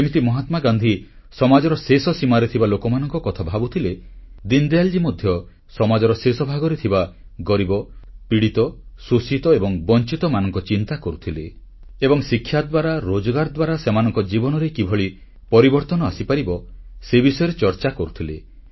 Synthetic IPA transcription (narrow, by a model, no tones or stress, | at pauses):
simit̪imɔɦat̪maɡand̪ʱi | sɔmad͡ʒɔɾɔsesɔsimaɾet̪ʰibalokɔmanɔŋkɔkɔt̪ʰabʱabut̪ʰiled̪ind̪ejald͡ʒimɔd̪ʱjɔ | sɔmad͡ʒɔɾɔsesɔbʱaɡɔɾet̪ʰiba | ɡɔɾibɔpiɽit̪ɔsusit̪ɔebɔŋbɔnt͡ʃit̪ɔmanɔŋkɔt͡ʃint̪akɔɾut̪ʰile | ebɔŋsikʰːjad̪waɾaɾod͡ʒɔɡaɾd̪waɾasemanɔŋkɔd͡ʒibɔnɔɾekibʱɔɭi | pɔɾibɔɾt̪ɔnɔasipaɾibɔsebisɔjɔɾet͡ʃɔɾt͡ʃakɔɾut̪ʰile